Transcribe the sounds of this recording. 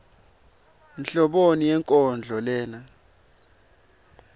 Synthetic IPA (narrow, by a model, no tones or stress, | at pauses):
nɬɔɓonijɛŋkʼɔnd͡ɮʱɔlɛːna